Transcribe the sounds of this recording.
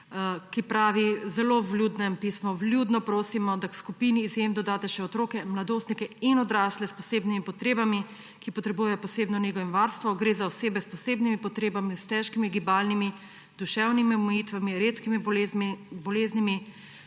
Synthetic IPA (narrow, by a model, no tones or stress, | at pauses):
kipɾaːʋizɛloʋlʲjuːd̪nɛmpismɔʋlʲjud̪nɔpɾoːsimɔd̪akskupiniːzjemd̪ɔd̪aːt̪ɛʃɛɔt̪ɾoːkɛmlad̪oːst̪nikɛinɔd̪ɾaːslɛspɔseːbnimipɔt̪ɾeːbami | kipɔt̪ɾɛbujɛjɔpɔseːbnɔneɡɔʋimʋaɾst̪ʋɔɡɾeːzaɔseːbɛspɔseːbnimipɔt̪ɾeːbamist̪ɛʃkimiɡibaːlnimi | d̪uʃɛwnimiɔmɛjiːt̪ʋamiɾeːt̪kimi | bɔleːznimi